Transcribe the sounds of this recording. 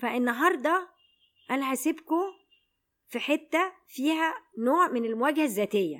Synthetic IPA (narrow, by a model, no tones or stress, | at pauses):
fæʔenːɑɦɑɾˤd̪ˤɑ | ʔænæhæsebko | fiħet̪ːæ | fiːhænoːʕmenelmowæːɡhæzːæːt̪ejːæ̰